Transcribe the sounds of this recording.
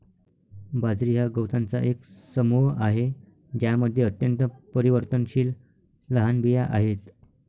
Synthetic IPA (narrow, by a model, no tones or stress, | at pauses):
bad͡zɾiɦaɡəwt̪ant͡sa̰ʔeksəmuɦaɦe | d͡ʑjaməd̪ʱːjeət̪jənt̪əpəɾiʋəɾt̪ənɕiːl | ləɦanbijaʔaɦet̪